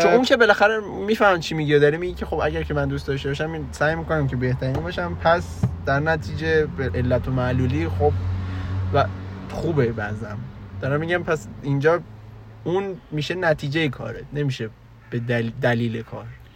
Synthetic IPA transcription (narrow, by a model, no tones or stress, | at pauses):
t̪ouŋcʰe̞be̞læxæɾemiːfæhmit͡ʃʰimiɟiod̪ɒːɾimiɟicʲʰe̞xo̞bæɟæɾcʰe̞mænd̪ust̪ɒʃt̪ebɒʃæminsæːjmiːko̞næmcʰe̞be̞ht̪ʰæɾinbɒʃæmpʰæs | d̪̥æɾnæt̪ʰiːd͡ʒebeʔelːæt̪ʰomæluːliːxob̚ | væxuːbebæzæmd̪̥ɒːɾæmmiːɟæmpʰæsind͡ʒɒː | unmiʃe̞næt̪ʰiːd͡ʒejekʰɒ̰ːɾene̞miʃe | b̥ed̪æd̪æliːlekʰɒ̰ːɾ